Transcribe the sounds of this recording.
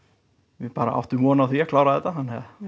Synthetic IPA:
ɪpaːɾa̰ʔa̰wht̪ʏmvɔːnawθiakʰlaːwɾaðɛt̪ahanːɛð

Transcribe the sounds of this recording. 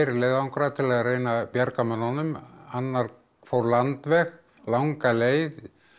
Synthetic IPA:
ɾɪleːjðawŋkɾat̪ʰɪlaðreːjnapjaɾkamananʏmanːaɾ | fowɾlant̪vɛx | lawŋkaleːjð

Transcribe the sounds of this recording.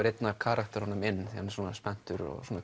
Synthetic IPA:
ɾejt̪nakʰaːɾakt̪ɛɾ̥hɔnʏmɪnːθihansuːnaspɛn̥t̪ʏɾɔ̰ɣsuːna

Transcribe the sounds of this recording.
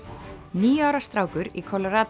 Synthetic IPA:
niːaːwɾast̪ɾaːwkʏɾikʰɔlɔɾaːt̪

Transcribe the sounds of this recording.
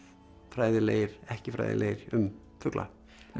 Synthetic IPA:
fɾaːjðɪleːjɾ̥ɛhcɪfɾa̰jðɪ̰lḛːjɾ̥ʏm | fʏklʔa̰

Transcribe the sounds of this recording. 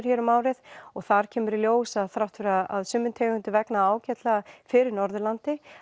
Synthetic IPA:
ɾ̥çɛːɾʏmaːwɾɪðɔɣθaɾ̥cʰɛːmʏɾiljoːwsaðθɾawht̪fɛɾaaðsʏmːʏnt̪ʰɛːɣʏnt̪ʏvɛknaaːwcɛt̪lafɪɾɪɾnɔɾðʏlant̪ɪ

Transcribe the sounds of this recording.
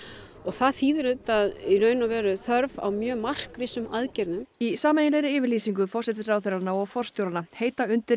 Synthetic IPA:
ɔɣθaðθiːðʏɾʏt̪aðinœːɥnavɛːɾʏθœɾva̰wmjœːmar̥kvɪsʏmaðcɛɾnʏmisaːmɛjɪnlɛɾɪɪːvɪɾliːsiŋk̬ʏfɔrsɛt̪ɪsaːwθɛɾanaɔɣfɔr̥st̪jowɾanaheːjt̪aʏnt̪ɪɾ

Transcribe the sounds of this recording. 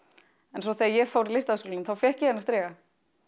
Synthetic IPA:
ɛns̬ɔθɛːðajɛɣfaːwɾɪlɪjst̪aðskoːlmθawfjɛhcɪhɛnːast̪ɾɛːɣa

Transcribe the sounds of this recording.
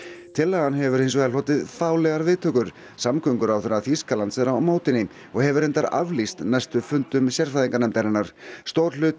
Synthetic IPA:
t̪ʰɪlːaɣanɦɛvʏɾejns̬ɔvɛlɔːt̪ɪðθaːwlɛɣaɾvɪːt̪ʰœːkʏɾ̥ | samkʰœŋkʏɾawθɛɾaθiskalant̪sɛɾaawmoːwt̪ɪnːɪ | ɔɣhɛvʏɾɛnt̪aɾa̰vlist̪nɛajst̪ʏfʏnt̪ʏmsjɛɾ̥θaðiŋkanɛmt̪aɾɪnːaɾ̥st̪owɾlʏːt̪

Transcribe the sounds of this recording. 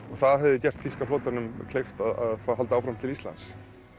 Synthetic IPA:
ɔɣθaðɦɛvðɪcɛr̥t̪fiskaflowt̪aɾnʏmkʰlejft̪aða̰ðfɦalt̪aaːwfɾamt̪ʰɪlist̪la̰ns

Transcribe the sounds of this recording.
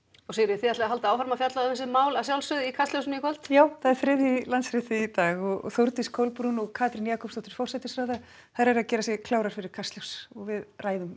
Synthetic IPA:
ɔsejɾɪθiat̪laɦalt̪aaːwfaɾmafjat̪laðɛs̬ɪmaːwlasjawlsʏðikʰast̪ljows̬nɪikʰɔlt̪jaːwθaðɛɾ̥fɾɪðjilant̪sɾɪt̪ɪit̪aːɣɔɣɔ̰θowɾt̪iskʰowlpɾunɔɣkʰaːt̪ɾɪnjaːkʰɔpst̪ɔht̪ɪɾ̥fɔrsɛt̪ɪsɾaːða | θaðɾɛɾaðcɛːɾasjɛɣkʰlaːwɾaɾ̥fɪɾɪɾ̥kʰast̪ljowsɔɣvɪðraːjðʏm

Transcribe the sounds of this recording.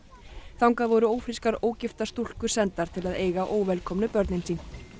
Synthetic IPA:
θawŋkaðvɔɾʏoːwfɾiskaɾoːwcɪft̪ast̪ul̥kʏ̥sɛnt̪aɾ̥t̪ʰɪlaðeːjɣaʔoːwvɛlkʰɔmnʏpœɾt̪nɪnsiːn

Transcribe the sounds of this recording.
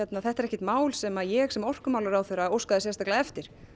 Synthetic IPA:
ɛt̪naθɛht̪ɛɾɛhcːɪ̥ht̪maːwlsɛmajɛɣsɛmɔr̥kʏmawlaʏɾawθeɾaowskaðɪsjɛst̪aklaðɛft̪ɪɾ̥

